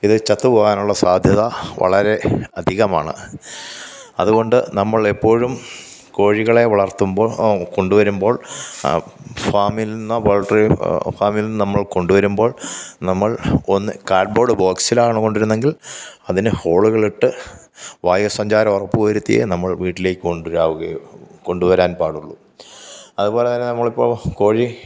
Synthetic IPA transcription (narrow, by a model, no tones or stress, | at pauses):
iðɨt͡ɕɐt̪ːɨpo̞ːɣaːnuɭːɐsaːd̪ʱjɐðɐʋɐ̰ɭɐɾe̞ɐd̪ʱiɣɐma̰ːɳɨ̰ | ɐðuɣo̞ɳɖɨnɐmːɐɭepːo̞ːɻum | ko̞ːɻiɣɐɭe̞ʋɐɭɐrt̪ːumbo̞ːko̞ɳɖuʋɐɾumbo̞ːɭ | faːmilinːɐboːɭʈrifaːmilinːɨnɐmːɐɭko̞ɳɖuʋɐɾumbo̞ːɭnɐmːɐɭo̞nːɨkaːɖ̚bo̞ːɖɨbo̞ːksilaːɳɨko̞ɳɖiɾunːe̞ŋɡilɐðinɨho̞ːɭuɣɐɭiʈːɨ | ʋaːjɐsɐɲd͡ʑaːɾɐmorɐpːuʋɐjɾut̪ːḭjḛnɐmːɐɭʋiːʈːile̞ːkʲːɨkoɳɖuɾaːʋuɣɐjuko̞ɳɖuʋɐɾaːnpaːɽuɭːu | ɐðubo̞ːlet̪ɐnːenɐmːɐɭipːo̞ːɭko̞ːɻi